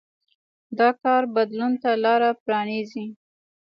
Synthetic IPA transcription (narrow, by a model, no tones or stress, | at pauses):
d̪ɑkɑɾbad̪lunt̪alɑɾapɾɑnizi